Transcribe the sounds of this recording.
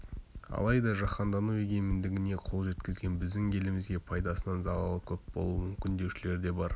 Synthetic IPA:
ɑ̰lˠɑjd̪ɑʒɑqɑnd̪ɑnueɡʲe̞mɪnd̪ɪɡʲɪne̞qʰo̞lˠʒe̞t̪kʲɪzɡʲe̞nbɪzd̪ɪŋʲʰe̞lɪmɪzɡʲe̞pʰɑjd̪ɑsənɑnzɑlˠɑlˠəkʲʰɵp̚b̥o̞̰lˠuəmʏmkʲɪnd̪ewʃɪle̞ɾd̪e̞bɑɾ

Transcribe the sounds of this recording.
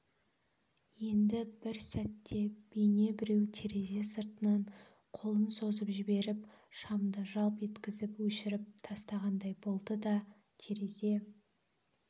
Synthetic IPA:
je̞nd̪ɪbɪɾsæt̪ːe̞b̥ejne̞bɪɾe̞wt̪ʰe̞ɾe̞ze̞səɾt̪ənɑɴ | qʰo̞lˠənso̞zəpʒɪbe̞ɾɪp | ʃɑmd̪əʒɑlˠpʒe̞t̪kʲɪzɪpwɵʃɪɾɪp̚t̪ʰɑst̪ɑʁɑnd̪ɑjbo̞lˠd̪əd̪ɑ | t̪ʰe̞ɾe̞ze̞

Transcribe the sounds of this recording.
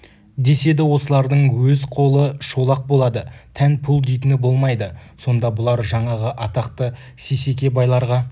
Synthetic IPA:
d̪e̞se̞d̪ɪwo̞səlˠɑɾd̪əɴwɵzqʰo̞lˠəʃo̞lˠɑq̚bo̞lˠɑd̪ət̪ʰænpʰʊlˠd̪ejt̪ɪnɪbo̞lˠmɑjd̪əso̞nd̪ɑbʊlˠɑɾʒɑɴɑʁəʔɑt̪ɑqt̪ə | se̞se̞kʲe̞bɑjlˠɑɾʁɑ

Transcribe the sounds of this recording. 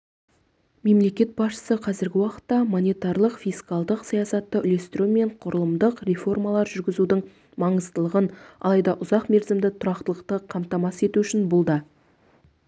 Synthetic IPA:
me̞mle̞kʲe̞t̪̚bɑsʃə̥səqʰɑzɪɾɡʲɪwɑqə̥t̪ːɑmonijt̪ɑɾlˠəqfijskɑlˠd̪əqsɑjɑsɑt̪ːəʔʏle̞st̪ɪɾume̞ɴqʰʊɾəlˠəmd̪əqre̞fo̞rmɑlˠɑɾʒʏɾɡʲɪzud̪ɪɴ | mɑɴəzt̪əlˠəʁənɑ̰lˠɑjd̪ɑʔʊzɑqme̞ɾzɪmd̪ɪt̪ʰʊɾɑqt̪əlˠəqt̪əqʰɑmt̪ɑmɑse̞t̪uʏʃɪnbʊlˠd̪ə

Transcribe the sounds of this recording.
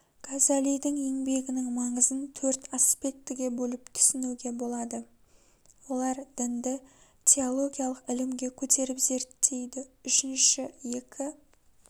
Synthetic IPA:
kʰazalijd̪ɪŋe̞ŋbe̞ɡʲɪnɪŋmɑɴəzənt̪ʰɵɾt̪aspe̞k̚t̪ːɪɡʲe̞bɵlɪpt̪ʰʏ̥sɪnuɡʲe̞bo̞lˠɑd̪ə | wo̞lˠɑɾd̪̥ɪnd̪ɪ | t̪ʲʰeo̞lˠo̞ɡʲijalˠəqɪlɪmɡʲe̞kʲʰɵt̪ʰe̞ɾɪpz̥e̞ɾt̪ʰːe̞jd̪ɪʏʃɪnʃɪje̞kʲʰɪ

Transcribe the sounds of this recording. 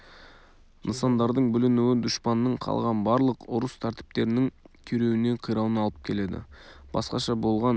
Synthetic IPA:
nəsɑnd̪ɑɾd̪əɴbʏlɪnuwɪd̪ʊʃpɑnːəɴqʰɑ̰lˠʁɑnbɑɾlˠəqʊɾəst̪ʰæɾt̪ɪ̥p̚t̪e̞ɾɪnɪŋkʲʰɵɾe̞wɪne̞qʰəjɾɑw̪ənɑlˠəp̚kʲʰe̞le̞d̪ɪ̰b̥ɑ̰sqɑʃɑbo̞lˠʁɑn

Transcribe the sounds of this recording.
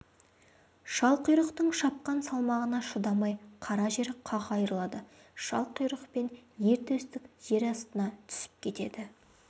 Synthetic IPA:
ʃɑlˠqəjɾəqt̪əɴʃɑp̚qɑnsɑlˠmɑʁənɑʃʊd̪ɑmɑjqʰɑɾɑʒe̞ɾqʰɑʁɑjəɾlˠɑd̪ə | ʃɑlˠqəjɾəqpe̞nje̞ɾt̪ɵst̪ɪkʲʒ̥e̞ɾɑst̪ənɑt̪ʰʏ̥sɪ̥p̚kʲʰe̞t̪e̞d̪ɪ

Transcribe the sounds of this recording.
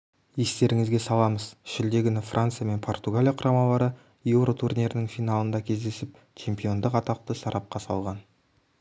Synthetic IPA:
je̞st̪e̞ɾɪŋɪzɡʲe̞sɑlˠɑməz̥ʃɪld̪e̞ɡʲɪnɪfrʔant̪sɨjame̞npʰo̞rt̪uɡalʲijaqʰʊɾʔɑmɑlˠɑɾə | je̞wɾo̞t̪ʰurnʲeɾnɪŋfijnɑlˠənd̪ɑkʲʰe̞zd̪e̞sɪp̚ | t͡ʃʰe̞mpijo̞nd̪əqɑt̪ɑq̚t̪əsɑɾʔɑp̚qɑsɑ̰lˠʁɑn

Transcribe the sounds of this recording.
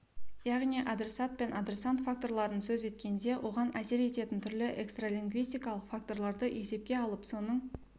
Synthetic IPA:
jɑʁniʔad̪ɾe̞sat̪̚pe̞nʔad̪ɾe̞sant̪fak̚t̪o̞rɾlˠɑɾənsɵze̞t̪kʲe̞nd̪e̞wʔo̞ʁɑnʔæse̞ɾe̞t̪e̞t̪ɪnt̪ʰʏɾlɪʔekst̪ralʲiŋɡvijst̪ijkɑlˠəqfakt̪o̞ɾlˠɑɾd̪əʔe̞se̞p̚kʲe̞ɑlˠəpso̞nəɴ

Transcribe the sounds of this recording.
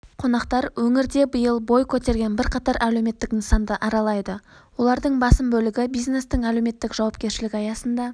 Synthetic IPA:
qʰo̞nɑqt̪ɑɾwɵŋɪɾd̪e̞bəjəlˠbo̞jkʲʰɵt̪e̞ɾɡʲe̞nbɪɾqʰɑt̪ɑɾʔælewme̞t̪ːɪknəsɑnd̪əʔɑɾɑlˠɑjd̪ə | wo̞lˠɑɾd̪əɴbɑsəmbɵlɪɡʲɪbijzne̞st̪ɪŋælewme̞t̪ːɪkʒ̥ɑwɑp̚kʲe̞ɾʃɪlɪkʲɑjɑsənd̪ɑ

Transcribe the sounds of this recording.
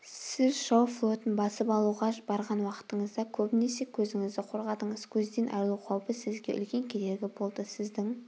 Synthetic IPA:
sɪzʃɑwflˠo̞t̪ənbɑsəpɑlˠuʁɑbɑɾʁɑnwɑqə̥t̪əɴəzd̪ɑkʲʰɵbɪne̞se̞kʲʰɵzɪŋɪzd̪ɪqʰo̞ɾʁɑd̪əɴəzkʲʰɵzd̪enʔɑ̰jlˠuqʰɑwpəsɪzɡʲe̞̰ʔʏ̰lkʲe̞ŋkʲʰe̞ɾe̞ɡʲɪbo̞lˠd̪əsɪzd̪ɪŋ

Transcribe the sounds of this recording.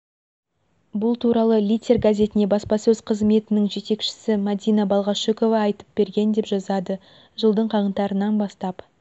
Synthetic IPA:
bʊlˠt̪ʰuɾɑlˠəlʲie̞rɡazʲe̞t̪ɪne̞bɑspɑsɵzqʰəzme̞t̪ɪnɪŋʒe̞t̪e̞kʃɪ̥sɪmad̪ʲijnɑbɑlˠʁɑʃeko̞vɑːjt̪ə̥p̚b̥e̞ɾɡʲe̞nd̪e̞pʒɑzɑd̪ə | ʒəlˠd̪əɴqʰɑʁənt̪ɑɾənɑnbɑst̪ɑp

